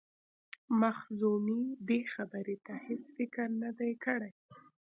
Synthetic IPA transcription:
maxzumibexabəɾet̪ahet͡sfɪkɾnad̪ajkəɽaj

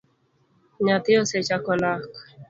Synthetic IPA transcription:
ɲat̪ioset͡ʃakolak

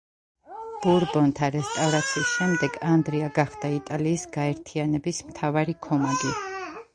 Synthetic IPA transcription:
b̥uɾbɔnt̪ʰaɾɛst̪ʼavɾat̪sʰiːsʃɛmd̪ɛɡand̪ɾiaɡaχd̪ait̪ʼaliːsɡaɛɾt̪ʰianɛbismt̪ʰavaɾikʰɔmaɡi

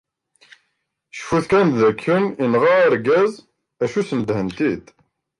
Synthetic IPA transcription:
ʃfuθkænðækʰːəninʁaɾɡæz | æʃusnəd̪hənt̪id̪

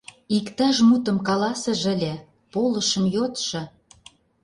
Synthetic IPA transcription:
ikt̪ɑʃmut̪ə̆mkɑlɑsə̆ʒə̆lʲĕ | polə̆ʃə̆mjot̪ʃɤ̆

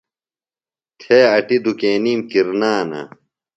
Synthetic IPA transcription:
t̪ʰeːɐʈid̪ukeːniːmkiɾnaːnɐ̰

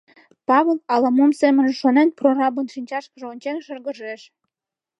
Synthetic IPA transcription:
pɑβelˠɑlɑmumsemə̆nʃonenprorɑbonʃinʲt͡ɕɑʃkə̆ʒeonʲt͡ɕenʃərɣə̆ʒeʃ

